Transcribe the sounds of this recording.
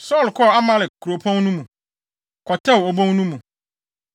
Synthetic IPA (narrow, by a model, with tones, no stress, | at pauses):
sɔ˦˨lkʰɔ˦˨a˦mã˦lɪ˨kʰu˨ɾo˨pʰɔ̃˦nnũ˦mũ˨ | kʰɔ˨tʰɛ˦˨wo˨bõ˦ŋnũ˦mũ˨